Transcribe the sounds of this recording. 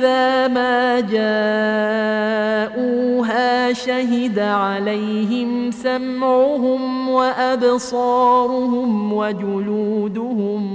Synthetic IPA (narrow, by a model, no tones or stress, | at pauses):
ðaːmaːd͡ʒaː | ʔuːɦaːʃaɦɪd̪aʕalajɦɪmsamʕʊɦʊmwaʔabsˤɑːɾˤʊɦʊmwad͡ʒʊluːd̪ʊhʊm